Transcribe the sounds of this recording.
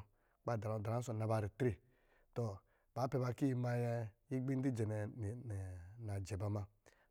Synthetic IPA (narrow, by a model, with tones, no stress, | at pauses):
k͡pa˦˨da˨a˨da˨ɾa˦so˨na˨ba˧˨ɾi˨tɾe˨ | tɔ˨ | b̥a˨˦pɛ˨ba˧ki˦˨ma˧jɛ˧ji˦ɡ͡bi˦n˦di˦d͡ʒɛ˨nɛ˨ | na˨d͡ʒɛ˨ba˨ma˧